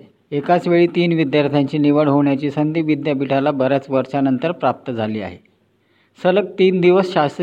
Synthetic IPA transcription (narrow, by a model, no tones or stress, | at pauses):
ekat͡sʋeɭiːt̪iːnʋid̪jaɾt̪ʰjaɲt͡ɕiːniʋəɽɦoɳjat͡ɕiːsənd̪iːʋid̪japiʈʰalabəɾjat͡sʋəɾʂanənt̪əɾpɾap̚t̪əd͡zʱaliːa̰ɦe | sələk̚t̪iːnd̪iʋəsɕast̪ə